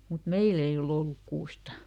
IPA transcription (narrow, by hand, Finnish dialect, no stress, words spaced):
mut meil ei ol olːuk kuːstɑ